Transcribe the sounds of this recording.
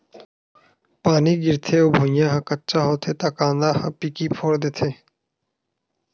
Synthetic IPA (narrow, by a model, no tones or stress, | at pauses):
paːniɡɪɾt̪ʰeːoːbʱʊ̃jãːɦãkətːt͡ʃaːɦoːt̪ʰeːt̪aːkãːnd̪aːɦãpikiːpʰoːɽd̪eːt̪ʰeː